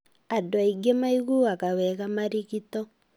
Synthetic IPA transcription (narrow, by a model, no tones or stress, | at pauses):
adoaiɡemaiɣuakawɛɣamaɾiɣitɔ